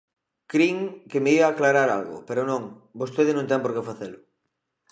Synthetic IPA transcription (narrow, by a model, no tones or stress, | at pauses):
kɾiŋkemeiβaːklaɾaɾa̰lɣʊ̰peɾʊnõŋ | bost̪eð̞ɪnõnt̪ɛŋpoɾkefaθelʊ